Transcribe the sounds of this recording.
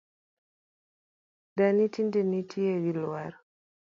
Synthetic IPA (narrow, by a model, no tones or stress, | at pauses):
danitindenitʰiewiluwaɾ